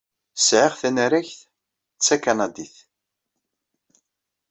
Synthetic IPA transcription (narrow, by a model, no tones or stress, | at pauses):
sʕaʁθænəɾæçθ | t͡sːækanɑd̪iθ